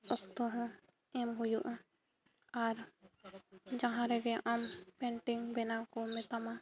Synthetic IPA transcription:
ɔkt̪ɔɦɔ̃ | ɛmɦujuʔã | aɾ | d͡ʒãɦãɾɛɡɛʔampɛɳʈiŋbɛnakɔmɛt̪ama

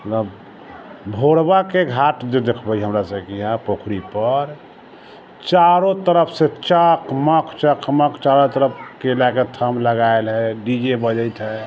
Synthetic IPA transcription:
mət̪ləb | bʱoɽbakeɡʱaʈd͡ʒed̪ekʰbəiɦəmɾasəkiɦãpokʰɾipəɾ | t͡ʃaɾot̪əɾəpʰset͡ʃəkʰməkʰt͡ʃəkʰməkʰt͡ʃaɾot̪əɾəp̚ʰkelaket̪ʰəmləɡaelɦɛɖid͡ʒebəd͡ʒəjt̪ɦɛ

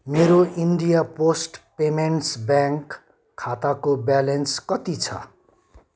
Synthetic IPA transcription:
meɾoinɖijaposʈpemenʈsbjaŋkʰː | at̪akobjalenskʌt̪it͡sʰʌ̰

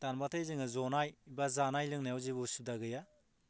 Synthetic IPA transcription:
tanmatʰajzɯŋɯzɔnajbazanajlɯŋnajawzibusup̚daɡɯja

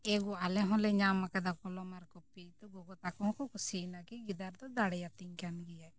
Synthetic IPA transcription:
ɛɡualɛɦɔ̃lɛɲamakad̪akɔlɔmaɾkɔpit̪ɔɡɔɡɔt̪akɔɔ̃kɔkusinakiɡid̪aɾd̪ɔd̪aɽɛjat̪iŋkanɡɛjaj

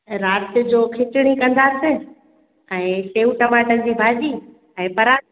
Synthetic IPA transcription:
ɾaːt̪d͡ʑoːkʰɪt͡ɕɪɽ̃ikɐ̃n̆d̪aːsɪ | ɛ̃ːseːuʈɐmaːʈə̃d͡ʑiːbʱaːd͡ʑiː | ɛ̃ːpɐɾaː

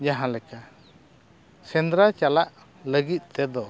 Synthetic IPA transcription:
d͡ʒaɦãlɛka | sɛnd̪ɾat͡ʃalaʔ | ləɡit̪̚ˀt̪ɛd̪ɔ

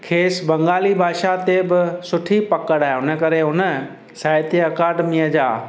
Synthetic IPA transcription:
kʰeːsbɐ̃ŋɡaːlibʱaːʃat̪ebɪsʊʈʰipɐkəɽaːɦeʊnəkɐɾeʊnə | saːt̪eɐkaːɖmijəd͡ʑaː

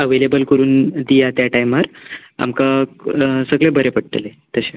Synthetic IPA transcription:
əʋelebəlkəɾuːnd̪ijat̪jaʈajməɾ | a̰mka | səɡɭebʱəɾepəɽ̚ʈ̪əle | t̪əɕe

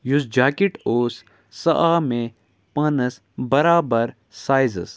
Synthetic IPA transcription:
jusd͡ʒaːkiʈoːs | sɐʔaːmẽ | pɐnəs | bɐɾaːbɐɾ | saːjzə̰s

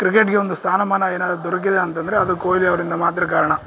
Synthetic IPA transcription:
kɾɪkːeʈ̚keʋɔnd̪ɯst̪ʰaːnɐmaːnaːeːnːaːðt̪ɔɾɐk̬ːɐðeɐnːt̪ɐnd̪ɪɾɐɐðɯkoːjɪliɐʋɐɾɪnd̪ɐmaːt̪ɪɾik̬aːɾɐɳɐ̃

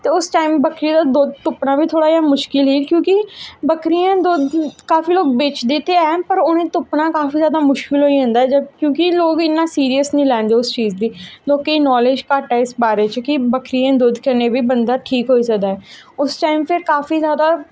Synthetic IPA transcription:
t̪eːʊsʈaːimbəkʰɾid̪aːd̪ʊd̪t̪ʊpnãːbiːt̪ʰoːɽaːjaːmʊʃkɪlɦiːkjõːkɪbəkɾiːãːd̪ʊd̪kaːfiːloːɡ̚bɪt͡ʃd̪ɪt̪ːeːɛːpəɾoːnẽːt̪ʊpnaːkaːfiːzjaːd̪aːmʊʃkɪlɦoːiːɦə̃nd̪aːɛd͡ʒəkjõːkɪloːɡɪnːãːsiːɾijəsnĩːlɛ̃ːnd̪eːʊst͡ʃiːzd̪iːlɔːkeinɔːleːd͡ʒkaːʈaːɪsbaːɾeːt͡ʃkɪbəkʰɾijãːd̪ʊd̪kəneːbiːbənd̪aːʈʰiːkɦoːiːsəkd̪aːɛːʊsʈaːimpʰɪɾkaːfiːzjaːd̪aː

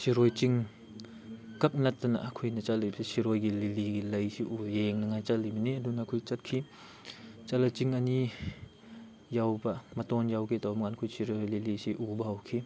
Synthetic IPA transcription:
siɾojt͡ʃiŋ | kɐp̚nɐtːɐnaʔkʰujnɐt͡ʃatlisisiɾojɡililiɡilɐjsiʔujeŋnɐŋajt͡ʃalimniɐdunakʰujt͡ʃɐt̚kʰi | t͡ʃalat͡ʃiŋani | jawbɐmɐtɔnjawkʰitɔwmŋankʰujsiɾojlilisiʔubɐhɐwkʰi

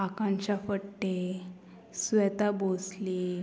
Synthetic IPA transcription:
akãɲt͡ɕafəʈːe | sʋɛt̪abosli

